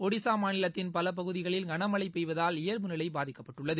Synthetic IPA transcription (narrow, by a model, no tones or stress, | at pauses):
ɔɽɪsaːmaːnɪlɐt̪ːɪnpɐlɐp̬ɐɣɯðɪɣɐɭɪlɡɐnɐmɐɭɐɪpːɛjʋɐðaːlɪjɐɾmɯnɪlɐɪbaːðɪkːɐpːɐʈːɯɭːɐðɯ